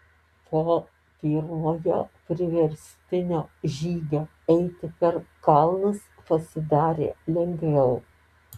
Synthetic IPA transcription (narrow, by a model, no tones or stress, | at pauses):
p̪ʰoː | t̪ʲiːɾmoːjo̰ːpʲɾʲɪʋʲɛɾʲsʲt̪ʲɪnʲoːʒʲiːɡʲoː | ɛɪt̪ʲɪpʲɐɾkɐlˠnɐs | pɐsʲɪd̪ɑːɾʲḛːlʲɛŋʲɡʋʲɛʊ